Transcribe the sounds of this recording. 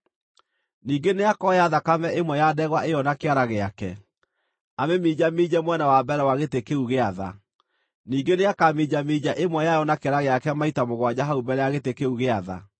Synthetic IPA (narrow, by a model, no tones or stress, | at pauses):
niːɡeneakɔjaðakamɛʔemwɛjadɛɣwaʔejɔnakeaɾaɣeakɛ | amemiːd͡ʑamid͡ʑɛmwɛnawabɛɾɛwaɣetekeuɣeaða̰ | niːɡeneakamid͡ʑamid͡ʑaʔemwɛjajɔnakeaɾaɣeakɛmaitamoɣwad͡ʑaɦaubɛɾɛjaɣetekeuɣeaða̰